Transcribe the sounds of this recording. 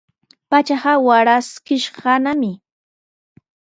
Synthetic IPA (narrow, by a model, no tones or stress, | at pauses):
pat͡ʃaɢɑwaɾaskɪʃɢɑnamɪ